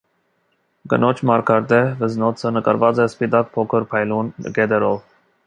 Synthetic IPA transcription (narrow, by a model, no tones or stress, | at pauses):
ɡə̰nɔt͡ʃʰmɑɾkʰɑɾd̪ɛvəznɔt͡sʰənəkɑ̰ɾvɑt͡sɛspit̪ɑk̚pʰɔkʰəɾpʰɑjlunɡɛd̪ɛɾɔv